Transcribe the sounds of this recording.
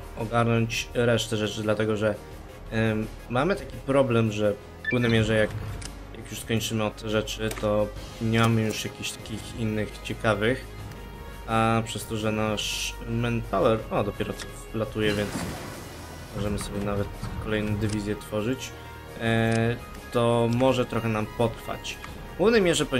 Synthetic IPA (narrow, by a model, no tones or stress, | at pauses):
ɔɡaɾnɔɲt͡ɕɾɛʂt̪ɛʐɛt͡ʂɘd̪lat̪ɛɡɔʐɛ | mamɘt̪akʲipɾɔblɛmʐɛ | fpɛvnɛjmʲjɛʐɛjak̚ | jakjuʂskɔɲt͡ʂɘmɘɔt̪t̪ʰːɛʐɛt͡ʂɘt̪ɔ | ɲmamɘjuʂjakʲiɕt̪akʲixinːɘxt͡ɕɛkavɘx | apʂɛst̪ɔʐɛnaʂmɛnpawɛɾɔd̪ɔpʲjɛɾɔt̪sɔ | lat̪ujɛvʲjɛnt̪s | mɔʐɛmɘsɔbʲjɛnavɛt̪kɔlɛjnɛd̪ɘvʲizʲjɛt̪fɔʐɘt͡ɕ | t̪ɔmɔʐɛt̪ɾɔxɛnampɔt̪ɾfa̰t͡ɕ | kuvnɛjmʲjɛʐɛpɔ